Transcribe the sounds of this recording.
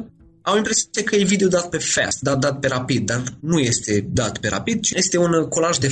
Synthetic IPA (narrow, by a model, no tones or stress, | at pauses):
awimpɾe̞sekəjejvid̪eod̪at̪̚pe̞fɛ̰st̪d̪ad̪at̪̚pe̞ɾapid̪̚ːarnuje̞st̪e̞d̪at̪pe̞ɾa̰pid̪̚t͡ʃiest̪e̞unko̞laʒd̪e̞